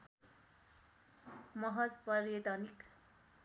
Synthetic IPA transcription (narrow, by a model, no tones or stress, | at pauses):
mʌɦʌd͡zpʌrjʌt̪ʌnik